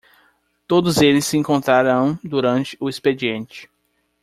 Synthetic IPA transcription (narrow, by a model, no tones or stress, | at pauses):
t̪od̪ʊzelɪsɪẽŋkõnt̪ɾaɾɐ̃w̃d̪uɾɐ̃nt͡ʃɪ̥ʊesped͡ʒiẽnt͡ʃɪ̥